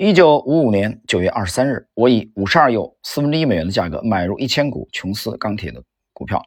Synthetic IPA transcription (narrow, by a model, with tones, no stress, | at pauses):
i˥t͡ɕjo˨˩ʊu˧˥u˨˩njɛ˧˥nt͡ɕjo˨˩ʊɥɛ˥˧ʔɐ̰˥˩ʂɻ̩˧˥sa˥nɻ̩˥˩wɔ˧˥i˧˩u˨˩ʂɻ̩˧˥a˞˥˧jo˥˩ʊsɹ̩˥˩fə˧˥nʈ͡ʂ̩˥i˥me˨˩ɪɥɛ˧˥nd̪ə˧t͡ɕja̰˥˩kɤ̰˧˥ma˨˩ɪɻu˧˥ʔi˥˩t͡ɕʰjɛ˥nkṵ˨˩t͡ɕʰʊ˧˥ŋsɹ̩˥kɑ˥ŋt̪ʰjɛ̰˨˩d̪ə˦ | kṵ˨˩pʰjɑ̰˥˩ʊ